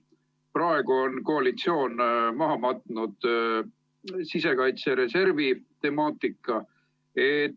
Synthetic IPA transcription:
prɑe̞ɡ̥uo̞nko̞ɑlit̪sio̞ːnmɑɦɑmɑt̪ˑnud̪̥ | sise̞kɑjt̪seɾe̞se̞rvit̪e̞mɑːt̪ːˑikːˑɑ | et

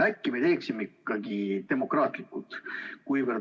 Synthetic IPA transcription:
ækːimet̪e̞ːksimeikːˑɑɡ̥it̪e̞mo̞krɑːt̪ˑlikːult̪kujvər

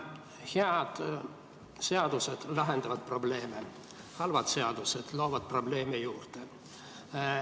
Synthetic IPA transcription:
heɑd̪̥ | se̞ɑd̪̥use̞d̪̥lɑɦe̞nd̪ɑvɑd̪̥̚pro̞ble̞ːme | hɑlvɑd̪̥seɑd̪̥use̞d̪̥lo̞ːvɑd̪̥̚pro̞ble̞ːmejuːrt̪e

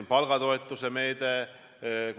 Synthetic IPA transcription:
mpɑlɡ̥ɑt̪oet̪ːusemejd̪e

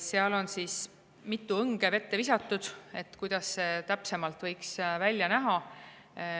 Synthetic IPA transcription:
seɑlo̞nsiːs | mit̪ːˑuɤŋɡ̥e̞ve̞t̪ːevisɑt̪ːˑud̪̥e̞t̪ːˑkujd̪̥ɑsːe̞t̪æpse̞mɑlt̪ˑvɤjksvælʲjɑnæɦɑ

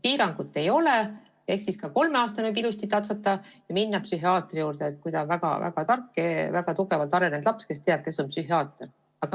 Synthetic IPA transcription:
piːɾɑŋɡ̥ut̪ːe̞jo̞lɛ | e̞hksiskɑko̞lmeɑːst̪ɑnybilust̪it̪ːɑt̪sɑt̪ːˑɑjɑminːɑpsyɦiɑːt̪rijuːɾd̪̥eːt̪ːˑkujd̪ɑnvæɡ̥ɑ̰væ̰ɡ̥ɑt̪ɑrkːˑevæɡ̥ɑt̪uɡ̥e̞vɑlt̪ɑɾe̞nend̪lɑpske̞st̪eɑb̥̚ke̞sːo̞npsyɦiɑːt̪ˑr | ɑɡ̥ɑ

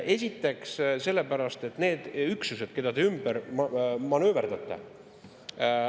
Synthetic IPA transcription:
e̞sʲit̪ːˑe̞ksse̞lːepæɾɑst̪e̞t̪ːne̞ːd̪̥yksuse̞d̪̥ke̞d̪̥ɑd̪eymb̥æɾmɑnøːveɾd̪̥ɑt̪ːˑɑ̰

